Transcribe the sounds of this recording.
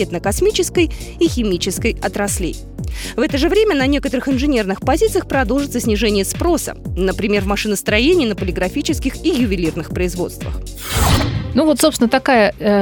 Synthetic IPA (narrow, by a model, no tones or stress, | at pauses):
et̪nəkɐsmʲit͡ɕɪskəjixʲɪmʲit͡ɕɪskəjɐt̪ɾɐslʲḛj | vɛt̪əʐɨvɾʲemʲənɐnʲe̞kət̪əɾɨxɪnʐɨnʲe̞rnɨxpɐzʲit̪sɨjəxpɾɐd̪o̞lˠʐɨt̪səsʲnʲɪʐɛnʲɪjəspɾo̞sə̰nəpɾʲɪmʲe̞rvmɐʂɨnəst̪ɾɐjenʲɪːnəpəlʲɪɡɾɐfʲit͡ɕɪskʲɪxijʊvʲɪlʲirnɨxpɾəɪzvo̞̰t̪st̪və̰x | nuvot̪sopsʲnət̪ɐkajə